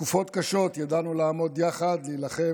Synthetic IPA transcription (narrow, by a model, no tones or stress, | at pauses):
kufo̞t̪kaʃo̞t̪jad̪anulaːmo̞d̪jaχad̪liːlaχe̞